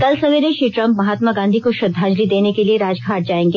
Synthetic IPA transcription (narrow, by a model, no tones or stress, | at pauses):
kɐlsɐʋeːɾeʃɾiːʈɾɐ̃mpmɐɦaːt̪maɡãːnd̪ʱikoʃʊd̪ʱːaːd͡ʒlid̪eːnekelieɾaːd͡ʒɡʱaːʈ̚d͡ʒaːẽːŋɡe